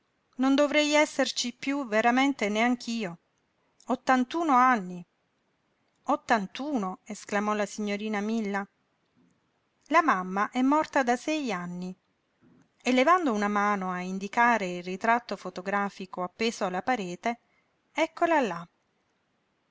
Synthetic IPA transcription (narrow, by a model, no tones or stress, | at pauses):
nond̪ovɾɛjɛsːert͡ʃipjuveɾament̪eneaŋk̟ʰiːo | ot̪ːant̪uːnoanːi | ot̪ːant̪uːnoesklamɔlasiɲːoɾiːnamilːa | lamamːaʔɛmːɔrt̪ad̪asɛjanːi | elːevand̪ounamaːnoaind̪ikaːɾeilrit̪ɾat̪ːofot̪oɡɾaːfikoapːeːsoalːapaɾeːt̪e | ɛkːolalːa